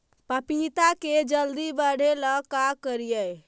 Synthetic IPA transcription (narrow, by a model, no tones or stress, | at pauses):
pəpit̪aked͡ʒəld̪ibəɽ̤ʱeləkakəɾijəj